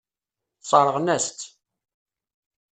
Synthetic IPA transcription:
sˤɑɾˤəʁnæst̪

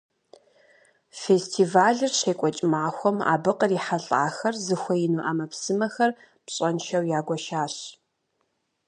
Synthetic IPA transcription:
feːstʰiːvaːɮɨrɕeːkʷʼɔt͡ʃʼmaːxʷɔma̰ːbɨqʼəriːħaɬʼaːxɐrzɨxʷɐjɪnuʔaːmɐpsɨmɐxɐr | pɕʼɐnʃɐwjaːɡʷɔʃaːɕ

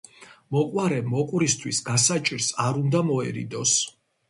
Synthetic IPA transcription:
mɔkʼwaɾɛmɔkʼuɾist̪ʰwisɡasat͡ʃʼiɾsaɾund̪amɔɛɾḭd̪ɔs

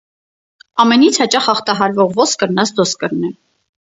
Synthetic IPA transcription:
ɑmɛnit͡sʰhɑt͡ʃɑχɑχt̪ɑɦɑɾvɔʁvɔskəɾnɑsd̪ɔskəɾnɛ

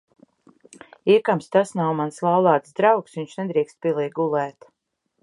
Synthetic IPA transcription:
ikamst̪asnawmanslˠawlˠaːt̪sd̪ɾawksviɲt͡ʃnɛd̪ɾiɛkst̪̚pʲiɛlˠɛːjɡulˠɛːt̪

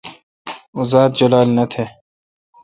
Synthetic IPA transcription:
ʊzaːd̪̚d͡ʑɐlaːlnɐt̪ʰeː

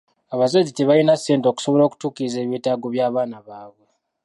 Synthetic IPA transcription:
aβazaziteβajinaseːntoku̥so̞βo̞lo̞ːku̥tuːkiize̞ːβiːtaːɡo̞βjaːβaːnaβaːβwe̞

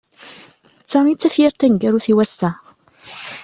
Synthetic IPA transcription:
t͡sːamit͡sːæfjiɾt̪æŋɡæɾuθiwæsːæ

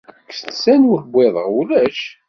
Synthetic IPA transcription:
kːsθsænwəɾbʷeðˤəʁwulæʃ

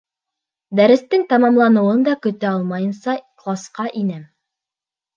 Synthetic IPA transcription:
d̪æɾɘ̆st̪ɘŋt̪ɑmɑmlˠɑnɤ̆wɤnd̪ɑkɵ̆t̪æɑlˠmɑjɤ̆nsɑklˠɑsqɑʔinɘm

